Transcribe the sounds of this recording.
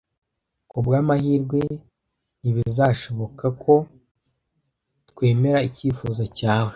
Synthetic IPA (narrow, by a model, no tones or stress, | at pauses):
kubɡaːmahiːɾɡwe̞ | niβizaʃo̞βo̞kakʰo̞ | tkwe̞ːme̞ɾaiciːfuːzocaːwe